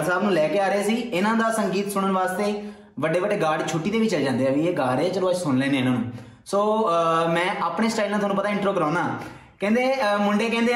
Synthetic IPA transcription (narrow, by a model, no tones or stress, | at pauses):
saːbnũːlɛːkeːaːɾeeːsiːɪnãːd̪aːsəŋɡiːt̪sʊɽəɳʋaːst̪eː | ʋəɖeːʋəɖeːɡaːɖt͡ʃʰʊʈːiːd̪eːʋiːt͡ʃəlːd͡ʒãːnd̪eːaːʋiːeːɡaːɾeːd͡ʒəloːəd͡ʒsʊnleːnẽːɪnãːnũː | soːmɛ̃ːʔaːpɳeːsʈaːilnãːt̪ʊɦaːnũpət̪aːɪ̃ɳʈɾoːkəɾãːnaː | kɛ̃ːnd̪eːmʊɳɖeːkɛ̃ːnd̪eː